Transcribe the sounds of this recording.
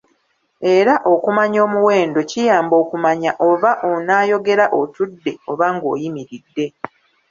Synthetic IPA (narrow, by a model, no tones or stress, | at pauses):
e̞ɾaʔo̞kumaɲo̞ːmuwe̞ːndo̞cijaːmbo̞ːkumaɲaʔo̞βaʔonaːjo̞ɡe̞ɾaʔotudːe̞o̞βaŋɡo̞̰ːjimiɾidːe̞